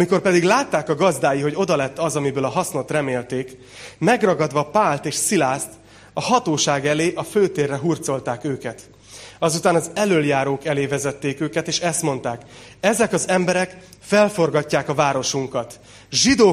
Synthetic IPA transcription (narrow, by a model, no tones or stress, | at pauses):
ɒmiko̞rpɛd̪iɡlaːt̪ːaːkɒɡɒzd̪aːjiɦo̞ɟo̞d̪ɒlɛt̪ːɒzɒmibøːlɒɦɒsno̞t̪rɛmeːlt̪eːk | mɛɡrɒɡɒd̪ʋɒpaːlt̪eːʃsilaːst̪ | ɒhɒt̪oːʃaːɡɛleːʔɒføːt̪eːrːɛɦurt̪so̞lt̪aːkøːkɛt̪ | ɒzut̪aːnɒzɛløljaːɾoːkɛleːvɛzɛt̪ːeːkøːkɛt̪eːʃɛst̪mo̞nt̪aːkɛzɛkɒzɛmbɛɾɛkfɛlfo̞rɡɒcːaːkɒvaːɾo̞ʃuŋkɒt̪ | ʒid̪oː